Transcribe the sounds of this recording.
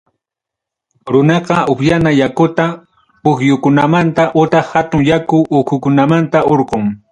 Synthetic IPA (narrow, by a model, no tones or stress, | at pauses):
ɾʊnɑqɑʊpjanajakʊt̪a | pʊxjʊkʊnamant̪aʔʊt̪ɑhat̪ʊŋjakʊʔʊkʰʊkʊnamant̪aʔoɾqoŋ